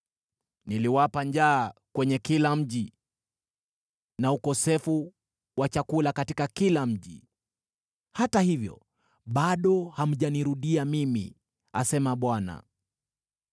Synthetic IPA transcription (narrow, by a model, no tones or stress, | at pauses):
niliwapaɲd͡ʒaːkwɛɲɛkilam̩ʄi | naukɔsɛfu | wat͡ʃakulakatikakilam̩ʄḭ | hatahivjɔ̰ | ɓaɗɔham̩ʄaniɾuɗiamimḭ | a̰sɛmaɓwana̰